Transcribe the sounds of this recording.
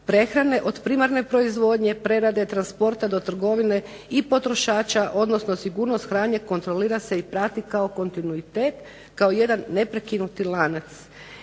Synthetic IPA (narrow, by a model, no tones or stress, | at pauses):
pɾe̞xɾane̞ʔo̞d̪pɾimaɾne̞pɾo̞izʋo̞d̪ɲe̞pɾe̞ɾad̪et̪ɾanspo̞ɾt̪ad̪o̞t̪r̩ɡo̞ʋine̞ | ipo̞t̪ɾo̞ʃaːt͡ʃaʔo̞d̪no̞sno̞siɡuːɾno̞st̪xɾaːɲɲeko̞nt̪ɾo̞liːɾase̞ipɾat̪ikao̞ko̞nt̪inuit̪eːt̪ | kaoje̞d̪anːe̞pɾekinut̪ilˠaːnat̪s